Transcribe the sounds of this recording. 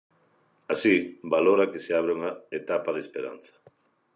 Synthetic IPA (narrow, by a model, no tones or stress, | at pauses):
asibaloɾakeseaβ̞ɾeuŋaet̪apaðespeɾa̰n̟θɐ̥